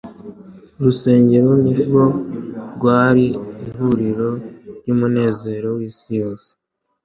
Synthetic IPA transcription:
ɾuse̞ːɲɟe̞ɾoniɡo̞ɾɡwaːɾiiɦuɾiɾo̞ɾɟuːmune̞ːze̞ːɾo̞wiːsijo̞ːse̥

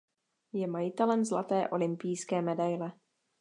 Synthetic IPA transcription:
jɛmajɪt̪ɛlɛmzlat̪ɛːʔo̞lɪmpijskɛːmɛdajlɛ

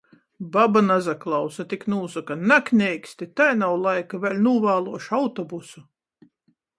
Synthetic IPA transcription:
babanazaklˠɑwsat̪iknuːsukanaknʲɛjkʲsʲt̪it̪ajnawlˠajkavʲɛlʲnuːvaːlˠuɔʃawt̪ɔbusu

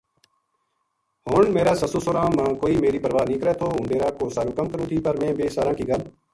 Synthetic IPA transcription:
hoːɳmeːɾaːsəsoːsoːɾãːmãːkoːiːmeːɾiːpəɾʋaːnĩːkəɾɛːt̪ʰoːʊ̃ːɳɖeːɾaːkoːsaːɾuːkəmkəɾũːt̪ʰiːpəɾmẽːbeːsaːɾãːkiːɡəl

